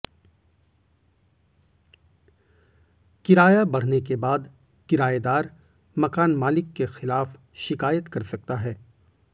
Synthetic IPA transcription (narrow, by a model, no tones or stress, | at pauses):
kɪɾaːjabɐɽ̤nek̬ebaːd̪ | kɪɾaːed̪aːɾ | mɐkaːnmaːlɪkːexɪlaːf | ʃɪkaːjət̪kɐɾsɐk̚t̪aɦɛː